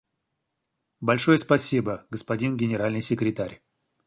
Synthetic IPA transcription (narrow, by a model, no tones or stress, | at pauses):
bɐlʲʂojəspɐsʲibəɡəspɐdʲinɡʲɪnʲɪɾalʲnɨjsʲɪkɾʲɪt̪aɾʲ